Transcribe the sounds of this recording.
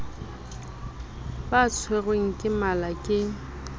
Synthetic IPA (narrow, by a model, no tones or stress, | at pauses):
bat͡sʰweɣweŋ̩kʼɪmalakʼɪ